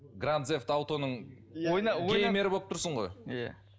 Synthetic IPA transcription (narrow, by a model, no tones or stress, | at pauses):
ɡrand̪zeft̪ɑwt̪o̞nəɴ | ojnkʰejme̞ɾɪbo̞lˠəp̚t̪ʰʊɾsəɴʁo̞jja̰